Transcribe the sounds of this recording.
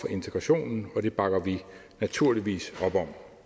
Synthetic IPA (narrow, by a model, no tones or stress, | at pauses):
fɒ̽ʔe̝nt͡sʰeɡ̥ʁɑ̈ɕo̝̰ːnn̩ɒ̽ɾ̥e̝b̥ɑ̈ɡ̥ɐʋi | næt͡sʰuɐliʋḭːsɒ̽b̥ɒ̽m̰